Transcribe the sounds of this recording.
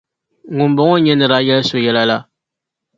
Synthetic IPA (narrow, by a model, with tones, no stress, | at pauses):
ŋʊ˨mbɔ˦ŋɔ˦ɲɛ˦nɨ˨ɾa˦jɛ˦lso˨jɛ˦la˦la˦